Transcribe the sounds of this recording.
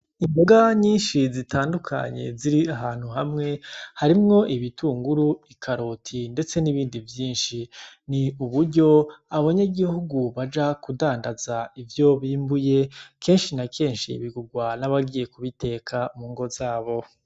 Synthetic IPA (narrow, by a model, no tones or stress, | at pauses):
imboɡaɲiːnʃizitaːndukʰa̰ɲe̞̰ziɾiaɦaːn̥huɦamŋe̞haɾimŋo̞ʔiβituːŋɡuɾuikʰaɾoːtʰinde̞t͡se̞niβiːndivjiːnʃiniuβuɾɟo̞aβaɲaɡihuɡuβad͡ʒakudaːndazaivjo̞βiːmbuje̞kʰe̞ːnʃinakʰe̞ːnʃḭβiɡuɡwanaβaɡije̞kuβite̞ːkʰamuːŋɡo̞zaːβo̞